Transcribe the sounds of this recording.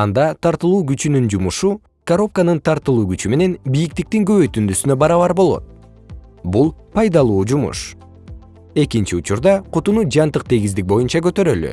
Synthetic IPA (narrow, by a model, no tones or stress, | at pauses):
ɑnd̪ɑt̪ʰɑɾt̪ɯlˠuːɡyt͡ʃynynd͡ʒumuʃu | kɐɾo̞p̚kanɯnt̪ʰɑɾt̪ɯlˠuːɡyt͡ʃyme̞ne̞nbijik̚t̪ik̚t̪iŋɡø̞βøjt̪ynd̪ysynøbɑɾɑβɑɾbo̞lˠo̞̰t̪̚ | bulˠpʰɑjd̪ɑlˠuːd͡ʒumṵʃ | e̞kint͡ʃiut͡ʃuɾd̪ɑqʰut̪unud͡ʒɑnt̪ɯq̚t̪ʰe̞ɡizd̪ik̚bo̞junt͡ʃɑkøt̪ø̞ɾøly̰